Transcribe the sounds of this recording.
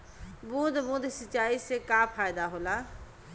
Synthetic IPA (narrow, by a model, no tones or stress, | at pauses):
bũd̪bũd̪sət͡ʃaːisekapʰaːjd̪aɦola